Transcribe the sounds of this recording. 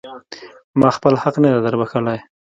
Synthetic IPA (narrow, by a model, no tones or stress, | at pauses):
mɑxpəlhaqnad̪ed̪əɾbakəlaj